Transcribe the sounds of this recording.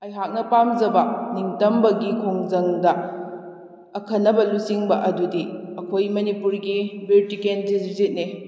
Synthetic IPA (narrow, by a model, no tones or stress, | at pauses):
ɐjɦak̚nɐpamzɐbɐniŋtɐmbɐɡikʰoŋzɐŋdɐ | kʰɐnːɐbɐlusiŋbɐʔɐdudiɐkʰojmɐnipuɾɡibitikendizzit̚ni